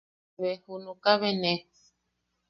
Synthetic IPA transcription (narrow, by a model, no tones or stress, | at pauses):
βehunũkaβenẽ